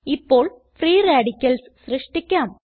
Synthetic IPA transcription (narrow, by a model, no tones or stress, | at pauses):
ipːo̞ːɭ | friːraːɽikʲːɐlssrɨʂʈikʲːaːm